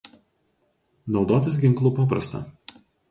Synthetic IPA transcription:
nɒʊd̪oːt̪ʲɪsɡʲɪŋklˠuːpɑːpɾɐst̪ɐ̰ː

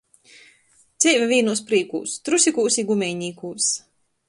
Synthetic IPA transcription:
t̪siːvʲavʲiːnuːs̬pɾiːkṵːst̪ɾusʲikuːsiɡumʲɛjɲʲiːkuːs

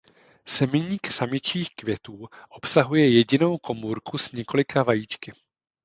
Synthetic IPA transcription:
sɛmɪɲiːksamɪt͡ʃiːxkvjɛt̪uːʔo̞psaɦujɛjɛɟɪno̞wko̞muːɾkusɲɛko̞lɪkʰavajiːt͡ʃkɪ

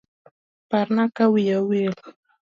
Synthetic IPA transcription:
paɾnakawɪjawɪl

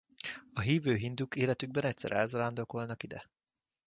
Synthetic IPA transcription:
ɒɦiːvøːɦind̪ukeːlɛt̪yɡ̚bɛnɛc̚ʲsɛ̰ɾɛ̰lzɒland̪okolnɒkid̪ɛ̰

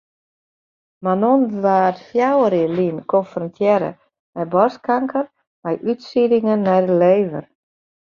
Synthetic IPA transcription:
manonəʋaːtfjawəɾilinkʰɔnfrɔntʰjɛɾə̰ | mɛjbɔskaŋkər | mɛjʔytsidɪŋənːɛjdəleːvə̰r

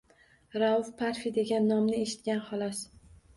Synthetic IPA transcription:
ɾaʊfpʰaɾfid̪e̞ɡʲanːɒmnɪeʃɪ̥t̪̚kʲanχɒlˠɒs

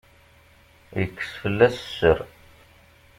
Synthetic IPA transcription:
jəkːə̥sfəlːæssəɾ

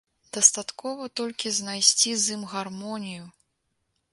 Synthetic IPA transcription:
d̪ɐst̪at̪kɔvɐt̪ɔlʲkʲiznajsʲt͡sʲizimɣarmɔnʲiju

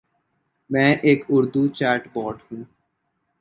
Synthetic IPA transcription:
mɛ̃ːʔeːkʊɾd̪ut͡ʃaːɾʈbɔːɾɖhũː

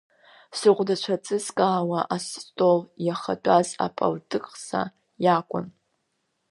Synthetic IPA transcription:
sɨqʷdat͡ʃʷʰat͡sʼɨzkʼaːwaʔastʼoljaχa̰dʷʼaza̰pʼa̰ltʼɨkʼsa̰ | jakʷʼʊ̰n

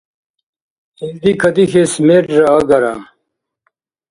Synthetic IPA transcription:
ild̪ikʰɐd̪ixesmeʈɾɐːɡɐɾa̰

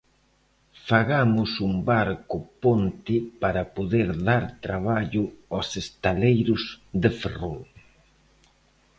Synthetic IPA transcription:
faɣamʊsumbaɾkʊpont̪ɪpaɾɐpoðeɾðaɾt̪ɾaβ̞aʎʊɔsest̪alejɾʊzðeferol

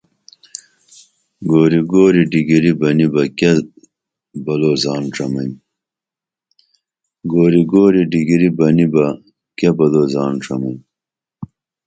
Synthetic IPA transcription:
ɡoːɾiɡoːɾiɖiɡiɾibɐnibɐke | bɐloːzaːnʈ͡ʂɐmɐn | ɡoːɾiɡoːɾiɖiɡiɾibɐnibɐ | kebɐloːzaːnʈ͡ʂɐmɐn

